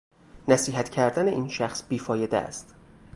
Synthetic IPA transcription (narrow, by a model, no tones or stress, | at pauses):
næsiːɦæt̪cʰæɾd̪æne̞ʔiːnʃæxsbiːfɒːje̞d̪ḛæ̰st̪